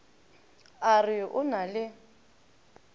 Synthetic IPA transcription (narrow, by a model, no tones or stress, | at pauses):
arɪʔʊnalɪ